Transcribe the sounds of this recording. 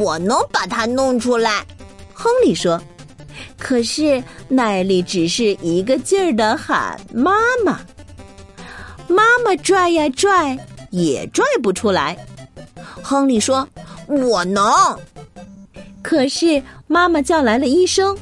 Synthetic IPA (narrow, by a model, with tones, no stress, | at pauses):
wɔ˨˩nɤ˧˥ŋpa˨˩t̪ʰa˥nʊ˥˧ŋʈ͡ʂʰu˥la˧˥ɪxɤ˥ŋli˨˩ʂwɔ˥ | kʰɤ˨˩ʂɻ̩˥˩na˥˩ɪli˧˩ʈ͡ʂɻ̩˨˩ʂɻ̩˥˩ʔi˧˥ɡə˧t͡ɕjə˥˩d̪ə˨xa̰˨˩˦nma˥mɐ˨ | ma˥mə˨ʈ͡ʂwa˥˩ɪə˧ʈ͡ʂwa˥˩ɪjɛ̰˨˩ʈ͡ʂwa˥˩ɪp̬u˧˩ʈ͡ʂʰu˥la˧˥ɪ | xɤ˥ŋli˨˩ʂwɔ˥wɔ˨˩nɤ˧˥ŋ | kʰɤ˨˩ʂɻ̩˥˩ma˥mə˨t͡ɕjɑ˥˩ʊla˧˥ɪlə˧i˥˩ʂɤ˥ŋ